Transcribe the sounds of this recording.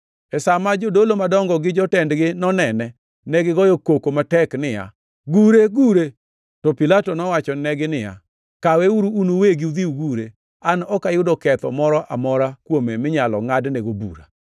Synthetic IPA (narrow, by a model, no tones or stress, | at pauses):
ɛsamad͡ʒodolomadɔŋɡɔɡɪd͡ʒɔtɛndɡɪnɔnɛnɛ | nɛɡɪɡɔjokokomatɛknɪja̰ | ɡuɾeɡuɾe | tɔpilatonɔwat͡ʃɔnɛɡɪnɪja̰ | kaweuɾuːnuweɡiud̪iuɡuɾe | anɔkajʊdɔkɛt̪ɔ̰mɔɾɔʔamɔɾakwomemɪɲalɔ̰ŋadneɡobṵɾa̰